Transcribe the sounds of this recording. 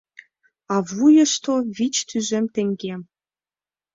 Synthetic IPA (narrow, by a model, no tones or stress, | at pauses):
ɑvujɤ̆ʃt̪oβit͡ɕt̪ʰyʒĕmt̪ĕŋɡʲem